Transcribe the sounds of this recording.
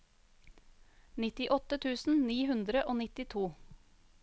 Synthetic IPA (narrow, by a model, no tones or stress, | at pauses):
nɪt̪ɪʔɔt̪ət̪ʰʉːsn̩niːhʉnd̪ɾəʔoːnɪt̪ɪt̪ʰuː